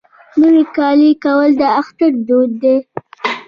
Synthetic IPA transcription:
noɾikɑlikawəld̪əaxt̪aɾd̪od̪ːe

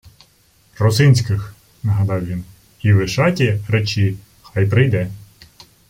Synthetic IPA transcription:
rɔsɪnʲsʲkɪx | nɐɦɐd̪ɑwʋʲin | iʋɪʃɑtʲiɾet͡ʃi | xɑjpɾɪjd̪ɛ

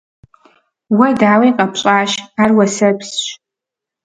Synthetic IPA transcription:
wadaːweqʼapʰɕʼaːʃarwasɐpʰsʃ

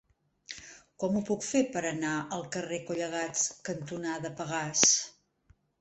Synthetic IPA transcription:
kɔmupukfepəɾənaʔəlˠkərekuʎəɣ̞at͡skənt̪unaðəpəɣas

